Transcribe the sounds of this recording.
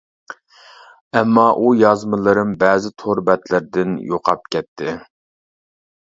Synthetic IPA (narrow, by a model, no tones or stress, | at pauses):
ɛmːɑʔujɑzmɨlˠɨɾɨmbɛːzɪt̪ʰoɾbɛt̪lɪɾd̪ɪnjoqʰɑp̚kʲɛt̪ʰːɪ